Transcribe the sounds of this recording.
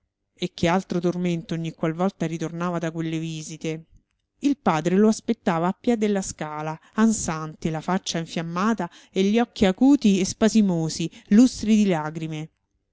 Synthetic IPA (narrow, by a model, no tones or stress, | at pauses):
ek̟ːealt̪ɾot̪orment̪ooɲːikːwalvɔlt̪aɾit̪ornaːvad̪akwelːeviːzit̪e | ilpaːd̪ɾeloaspet̪ːaːvaːpːjɛd̪elːaskaːlaːnsant̪elafat͡ʃːaiɱfjamːaːt̪a | eʎːiɔkːiakuːt̪iespazimoːzilust̪ɾid̪ilaːɡɾime